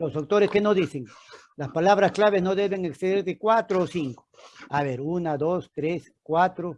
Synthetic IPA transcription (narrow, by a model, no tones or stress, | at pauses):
losawt̪oɾeskenoðiseŋ | laspalaβ̞ɾasklaβeznoðeβeŋekseðeɾðekwat̪ɾoːsiŋko̥aβeɾunad̪ost̪ɾes | kwat̪ɾo